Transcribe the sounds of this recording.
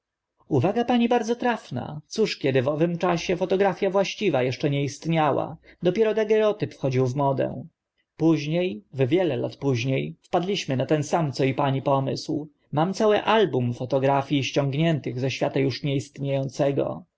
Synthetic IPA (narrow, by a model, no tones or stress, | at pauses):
uvaɡapaɲibaɾd̪zɔt̪ɾafna̰t̪suʂkʲɛd̪ɘvɔvɘmt͡ʂaɕɛfɔt̪ɔɡɾafʲjavwaɕt͡ɕivajɛʂt͡ʂɛɲɛist̪ɲawa̰d̪ɔpʲjɛɾɔd̪aɡɛɾɔt̪ɘpfxɔd͡ʑiwvmɔd̪ɛ̰ | puʑɲejvvʲjɛlɛla̰t̪puʑɲejfpad̪lʲiɕmɘnat̪ɛnsamt̪sɔipaɲipɔmɘ̰sw | mamt̪sawɘʔalbumfɔt̪ɔɡɾafʲjiɕt͡ɕɔŋɡɲɛnt̪ɘɣzɛɕfʲjat̪ajuʂɲɛist̪ɲejɔnt̪sɛɡɔ̰